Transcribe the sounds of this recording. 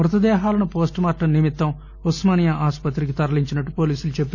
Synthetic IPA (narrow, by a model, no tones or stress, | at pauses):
mɾɐt̪ɐd̪ɛːɦaːlɐnupo̞ːsʈmaːɾʈːɐnimit̪ːɐm | usmaːnjɐʔaːspɐt̪ɾik̬it̪ɐɾɐliɲt͡ʃinɐʈːupo̞ːliːsulut͡ʃebut̪ː